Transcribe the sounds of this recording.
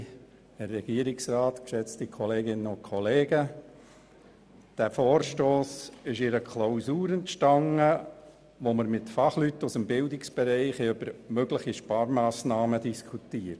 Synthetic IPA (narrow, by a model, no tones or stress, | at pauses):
hɛrːɛɡ̥iəɾɪksrɑːt̪kʃɛt͡stikʰɔleːɡɪnəʊnkʰɔleːɡə | d̥æfoːɾʃtoːsɪʃɪɾəkʰlaʊsuːɾəntʃtɑŋːə | ʋoməɾmɪtfɑχlytːusəmbɪldɪksb̥ɛɾɛɪχɛøb̥əɾmøɡləχiʃpɑːɾmɑːsnɑːmədiskʰutiːəɾt